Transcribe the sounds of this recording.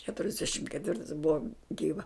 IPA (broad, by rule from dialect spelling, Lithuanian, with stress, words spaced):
kʲɛtʊrʲɛzʲˈdʲæːʃʲɪm kʲɛtʲˈʋʲɪrtɐɪs ˈbʊʋɐ ˈɡʲiːʋɐ